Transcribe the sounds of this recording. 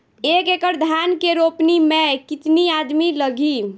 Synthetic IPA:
ekekəɾd̪ʱankeɾopnimekit̪niad̪miləɡʱi

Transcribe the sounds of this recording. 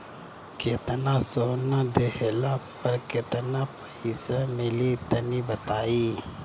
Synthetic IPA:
kɪt̪nasoːnãd̪ehelaːppɐɾkɪt̪napəisemɪlit̪ənibɐt̪aːiː

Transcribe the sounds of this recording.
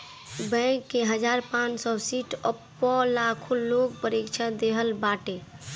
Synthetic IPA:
bɛ̃kːeɦəd͡ʒaɾpãnt͡ʃsɔsiʈʰəpːɔlakʰuloɡ̚pəɾekt͡ʃʰad̪eɦəlbaʈe

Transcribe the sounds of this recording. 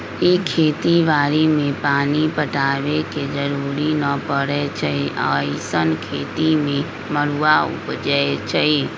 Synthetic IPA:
ikʰeːt̪iʋaːɾimẽpaːnipəʈaːʋeked͡ʒəɾuːɾinəpəɽet͡ʃaiʔaːjsənkʰeːt̪imẽ | məɾuːaʊ̰pd͡ʒəet͡ʃai

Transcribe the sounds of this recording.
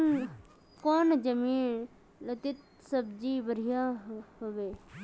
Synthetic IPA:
koːnd͡ʒəmiːn | lɐt̪ɪt̪ | səbd͡ʒiːbəɾijaːhoʋeː

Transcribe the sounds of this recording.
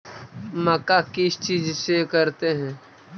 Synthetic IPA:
məkakɪst͡ʃiːd͡ʒsekəɾt̪eɦɛ̃ː

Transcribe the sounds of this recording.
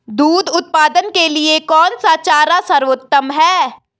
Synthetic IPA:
d̪uːd̪ʊt̪̚paːd̪ənkeliekɔːnsat͡ʃaːɾasɐɾʋot̪ːəmɦɛː

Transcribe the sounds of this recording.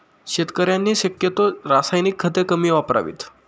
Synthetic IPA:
ɕet̪kəɾjanːiːɕəkjət̪oɾasajnikʰːət̪ekəmiːʋapɾa̰ʋḭːt̪

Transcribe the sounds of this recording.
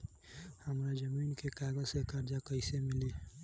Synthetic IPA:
həmɾad͡ʒəmiːnkekaɡəzsekəɾd͡ʒakəɪsemɪli

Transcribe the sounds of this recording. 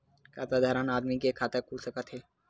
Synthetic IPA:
kʰat̪ad̪ʱaɾanad̪mikekʰat̪akusəkat̪ʰɦe

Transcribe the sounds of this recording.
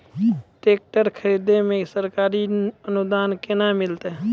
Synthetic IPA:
ʈeːk̚ʈəɾkʰəɾiːd̪emẽsəɾkaːɾiənʊd̪aːnkɪnamɪlt̪eɦɛ

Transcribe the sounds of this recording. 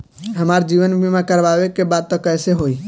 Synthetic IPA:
ɦəmaɾd͡ʒiβənbʱimekəɾbabekebad̪̚t̪ɔkəjseɦoi

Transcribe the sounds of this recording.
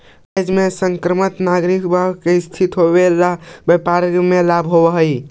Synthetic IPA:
jd͡ʒmesəŋkɾəmət̪naɡɾikbʱəbkeist̪ʰit̪ɦobelabjepaɾmelabʱɦobəɦəj

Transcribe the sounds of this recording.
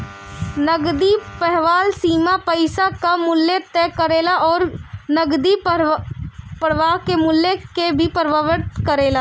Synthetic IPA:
nəɡd̪ipɛɦʋaːlsiːmapəɪsakamʊlːet̪ɛːkəɾeːlaɔːɾnəɡd̪i | pəɾʋaːɦkemʊlːekebʱipəɾʋaʋəɾt̪kəɾeːlaː

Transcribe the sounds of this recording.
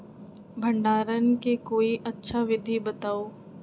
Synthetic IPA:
bʱɐ̃ɳɖaːɾənkekoːiʔɐtːʃʰaʋɪd̪ʱibɐt̪aːoː

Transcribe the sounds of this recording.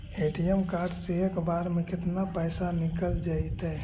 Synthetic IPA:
eːʈijemkaːɾɖseekbaːɾmẽkɪt̪napəɪsanɪkəld͡ʒait̪ɦɛ

